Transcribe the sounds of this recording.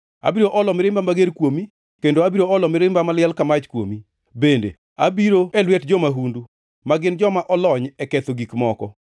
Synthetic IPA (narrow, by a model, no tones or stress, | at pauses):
a̰biɾoʔɔlɔmɪɾɪmbamaɡeɾkwomi | kendoabiɾoɔlɔmɪɾɪmbamalɪɛlkamat͡ʃkwo̰mi | bendḛ | abiɾoɛlwɛtd͡ʒɔmaɦundu | maɡɪnd͡ʒɔmaʔɔlɔɲɛkɛt̪oɡikmɔkɔ̰